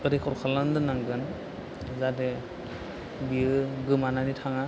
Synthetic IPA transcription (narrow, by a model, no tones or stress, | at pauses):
ɯɾekʰɔɾkʰalandɯnaŋɡɯn | zade | biɯɡɯmananitʰaŋa